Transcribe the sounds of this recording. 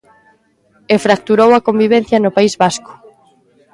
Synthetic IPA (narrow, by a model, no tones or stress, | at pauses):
efɾak̚t̪uɾowɐkombiβ̞ẽn̟θjɐnʊpaizβaskʊ̥